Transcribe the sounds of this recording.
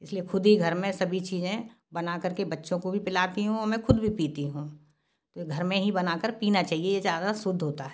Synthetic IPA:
ɪsliexʊd̪ʱiɡʱɐɾmẽsɐbʱit͡ʃiːzẽ | bɐnakɐɾkebɐtːʃõkobʱipɪlaːt̪iɦũɔːɾmɛ̃xʰʊd̪bʱipiːt̪iɦũː | t̪oeɡʱɐɾmẽɦibɐnaːkəɾpiːnat͡ʃaːɦiejezjaːd̪asʊd̪ʱːɦoːt̪aɦɛ

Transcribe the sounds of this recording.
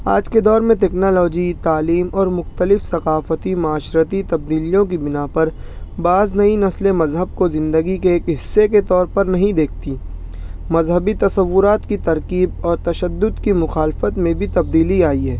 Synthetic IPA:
a̰ːd͡ʒked̪ɔːɾmẽt̬ɛːknɔːlɔːd͡ʒit̪aːliːmɔːɾmʊxt̪əlɪfsɐqaːfət̪imʊaːʃɾət̪it̪ɐb̚d̪iːlijõk̬ibɪnapɐɾ | baːznɐinɐslemɐzɦəb̚kozɪ̃nd̪əɡikeːkɦɪsːeket̪ɔːɾpɐɾnɐɦĩd̪eːk̚ʰt̪i | mɐzɦəbit̪ɐsɐʋːʊɾaːt̪kit̪ɐɾkiːb̚ɔːɾt̪ɐʃəd̪ːʊd̪kimʊxaːlfət̪mẽbʱit̪ɐb̚d̪iːliaːiɦɛː

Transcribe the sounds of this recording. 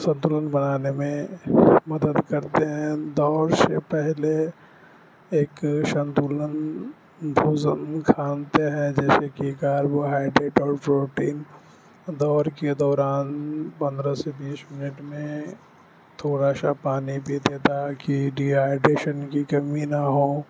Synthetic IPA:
sɐ̃nt̪ulənbɐnaːnemẽmɐd̪əd̪kɐɾt̪eɦɛ̃d̪ɔːɾsepɛɦle | eːkʃɐ̃nt̪ulən | b̪ʱuːzənkʰaːnt̪eɦɛ̃d͡ʒɛːsekikaːɾboɦaːɪɖɾeːʈɔːɾpɾoːʈiːn | d̪ɔːɾked̪ɔːɾaːnpɐ̃nd̪ɾasebiːsmɪnɪʈmẽ | t̪ʰoːɾasapaːnibʱid̪eːt̪akiɖiaːɪɖeːʃənkikɐminaɦoː

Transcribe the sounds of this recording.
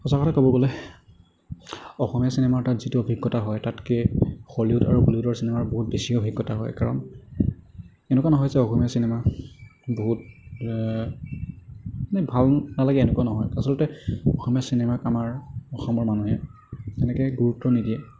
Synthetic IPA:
xɔsakɔtʰakɔbɔɡɔlɛ | ɔxɔmijasinɛmatatzituobʱiɡːɔtaɦɔjtatkexɔliʊta̰ɹubuliʊdɔɹsinɛmaɹboɦut̚besiɔbʱiɡːɔtaɦɔ̰jkaɹɔ̰n | ɛnʊkwanɔɦɔjzɛɔxɔmijasinɛma | boɦut̚ | nɛbʱalnalaɡɛɛnɛkuanɔɦɔjasɔlɔtɛɔxɔmijasinɛmakamaɹɔxɔmɔɹmanuɦɛ | ɛnɛkɛɡuɹutːɔnidiɛ

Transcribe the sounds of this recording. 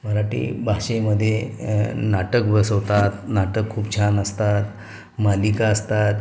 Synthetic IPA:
məɾaʈḭːbʱaɕeməd̪ʱːje | naʈəkbəsəʋt̪at̪naʈəkʰːuːpt͡ɕʰanəst̪at̪ | malikaəst̪at̪

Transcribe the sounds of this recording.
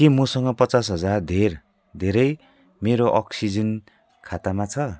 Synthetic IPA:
kimʌsʌŋɡʌpʌt͡sas̬ɦʌd͡zard̪ʱer | d̪ʱeɾʌj | meɾoʔʌksid͡zʌn | kʰat̪amat͡sʰʌ

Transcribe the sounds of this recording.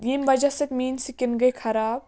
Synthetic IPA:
jimbɐd͡ʒɐsɐkmiːnsikinɡɐjkʰɐɾaːb̚

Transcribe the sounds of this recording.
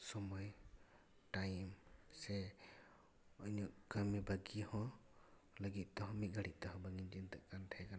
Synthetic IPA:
sɔmɔj | ʈajmsɛ | ɔɲɔʔkəmɛbaɡihɔ̃ | ləɡit̪̚ˀt̪ɔɦɔ̃mit̪̚ɡʱaɽit̪̚t̪ɔɦɔ̃baɡind͡ʒint̪ɛʔkanʈʰɛɛkana

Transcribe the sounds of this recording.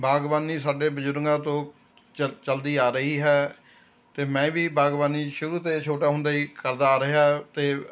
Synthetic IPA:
bʱaːɡʋaːniːsaːɖeːbəd͡ʒʊɾŋɡãːt̪õː | t͡ʃəld̪iːaːɾəɦiːɦɛː | t̪eːmɛ̃ːʋiːbʱaːɡʋaːniːʃʊɾuːt̪eːt͡ʃʰoːʈaːɦʊ̃nd̪aːiːkəɾd̪aːɾəɦjaːt̪eː

